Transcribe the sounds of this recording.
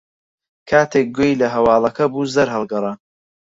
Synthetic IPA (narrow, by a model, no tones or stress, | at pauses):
kʰaːt̪ʰeːk̚ɡojlɐɦɐwɑːlˠɐkʰɐbuːzɐɾɦɐlˠɡɐrˤɑn